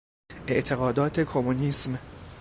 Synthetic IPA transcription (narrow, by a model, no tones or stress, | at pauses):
ʔe̞ʔt̪ʰe̞ɣɒːd̪ɒːt̪ʰekʰomuniːsm